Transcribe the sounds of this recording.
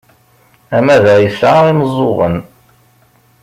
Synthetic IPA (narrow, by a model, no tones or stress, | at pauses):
æmæðæjəsʕaɾiməzˤːoʁə̰n